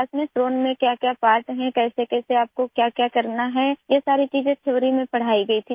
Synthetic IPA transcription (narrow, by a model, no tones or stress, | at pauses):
asmẽsʈɾoːnmẽkjaːkjapaːɾʈɦɛ̃kɛːsekɛːseaːp̚kokjaːkjaːkɐɾnaɦɛ̃jesaːɾit͡ʃiːzẽt͡ʃʰɐʋɾimẽpɐɽ̤aːiɡɐit̪ʰi